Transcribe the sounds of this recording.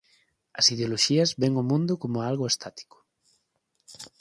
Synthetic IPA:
ɐsiðeoloʃiɐzβeŋomũnd̪ʊkomʊalɣʊest̪ʰat̪i̥kʊ̥

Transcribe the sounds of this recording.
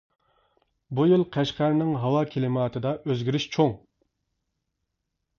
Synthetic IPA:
bujilˠqʰæʃqæɾnɪŋɦɑwɑkʲʰelɪmɑːt̪ʰɨd̪ɑʔøzɡʲiɾɪʃt͡ʃʰoŋ

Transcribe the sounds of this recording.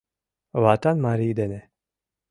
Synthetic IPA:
vat̪anmaɾiːd̪ɛnɛ

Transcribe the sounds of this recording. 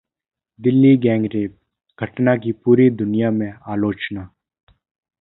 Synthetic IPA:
d̪ɪlːiɡɛ̃ːŋɡɾeːb̚ | ɡʱɐʈnak̬ipuːɾid̪ʊnijamẽaːloːt͡ʃna

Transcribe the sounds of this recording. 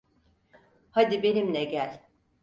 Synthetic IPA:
had̪ibe̞nimlʲɛɟælʲ

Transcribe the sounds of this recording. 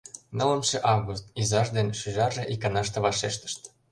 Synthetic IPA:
nɤ̆lə̆mʃĕʔɑvɣust̪̚izɑʒd̪enʃyʒɑrʒĕʔikɑnɑʃt̪ɤ̆βɑʃeʃt̪ə̥̆ʃt̪

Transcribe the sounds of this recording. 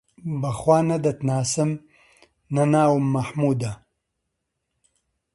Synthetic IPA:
baxwaːnad̪ɐt̪naːsɪm | nanaːwʊmːaħmuːd̪a

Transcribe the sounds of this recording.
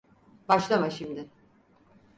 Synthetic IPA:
baʃlˠamaʃimd̪ɪ

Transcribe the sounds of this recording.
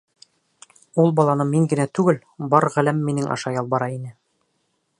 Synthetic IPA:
ulˠbɑlˠɑnɤmiŋɡɘ̆næt̪ʉɡɘl | bɑɾʁælæmːinɘŋʔɑ̰ʃɑjɑlˠbɑɾɑinɘ

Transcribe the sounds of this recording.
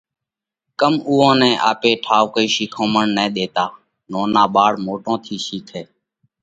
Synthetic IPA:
kəmuːõːnɛ̃ːʔaːpeːʈʰaːʋkəiːʃiːkʰõːməɳnɛ̃ːɗ̪eːt̪aː | noːnaːɓaːɽmoːʈõːt̪ʰiːʃiːkʰeː

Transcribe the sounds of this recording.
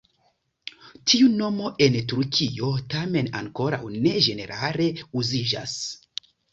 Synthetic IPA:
tʰiuno̞mo̞ʔe̞ntuɾkʰio̞tame̞na̰ŋko̞ɾa̰wne̞d͡ʒe̞ne̞ɾʔale̞uzid͡ʒa̰s

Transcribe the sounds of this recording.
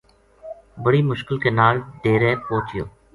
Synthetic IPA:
bəɽiːmʊʃkɪlkeːnaːlɖ̪eːɾeːpõːt͡ʃɪjo̰ː

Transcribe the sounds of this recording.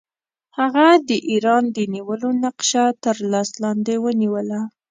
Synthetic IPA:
haɣad̪əʔiɾɑnd̪əniwəlonaqʃat̪əɾlɑslɑnd̪ewəniwəla

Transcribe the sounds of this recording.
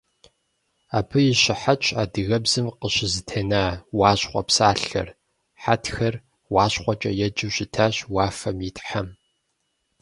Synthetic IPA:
aːpʰɨjɪɕɪħat͡ʃʼa̰ːdɨɣɐbzɨmqəɕɪzɨtʰenaːwɑːɕχʷɔ̰psaːɬːɐ̰r | ħatxɐr | wɑːɕχʷɔt͡ʃʼɐjɛd͡ʒɨɕɪtʰaːɕwaːfɐmjitʼħam

